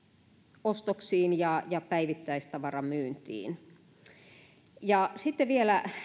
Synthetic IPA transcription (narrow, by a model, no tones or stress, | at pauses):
ost̪oksiːnjɑjɑpæiʋit̪ːæist̪ɑʋɑrɑmyːnt̪ḭːn | jɑsit̪ːeʋielæ